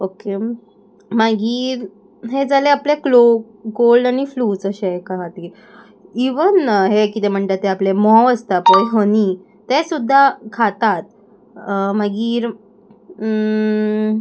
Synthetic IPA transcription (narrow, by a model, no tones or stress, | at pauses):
oke | maɡiːɾ | ɦed͡zaleapleklo | ɡolɖaɽ̃ifluːt͡səɕeɦekaɦat̪iːɾ | iʋənɦekit̪em̤əɳt̪at̪ːeaplemɔəst̪apəjɦəni | t̪esud̪ʱːakʰat̪at̪̚ | maɡiːɾ